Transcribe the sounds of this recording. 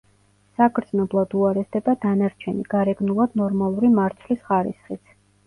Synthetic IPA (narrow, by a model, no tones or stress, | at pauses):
sakʰɾd̪znɔblˠad̪uaɾɛsd̪ɛbad̪anaɾt͡ʃʰɛniɡ̥aɾɛɡnulˠad̪̥nɔɾmalˠuɾimaɾt̪sʰlisχaɾḭsχit̪sʰ